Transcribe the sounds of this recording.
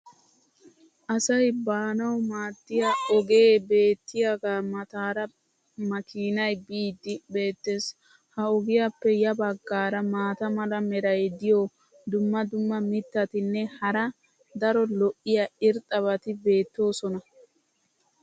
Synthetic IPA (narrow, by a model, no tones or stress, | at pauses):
ʔɐsɐjbaːnɐwmaːd̪ːɪjaɔɡe̞ːbe̞ːt̪ːɪjɐɡaːmɐt̪aːɾɐ | mɐkʰiːnɐjbiːd̪ːɪbe̞ːt̪ːes | hɐɔɡɪjapːɛjɐbɐɡːaːɾɐmaːt̪ɐmɐlɐmɛɾɐjd̪ɪjo | d̪ʊmːɐd̪ʊmːɐmɪt̪ːɐt̪ɪnːɛhɐɾɐ | d̪ɐɾɔlɔʔɪjɐɪɾt̪ʼːɐβɐt̪ɪbe̞ːt̪ːo̞ːsɔnɐ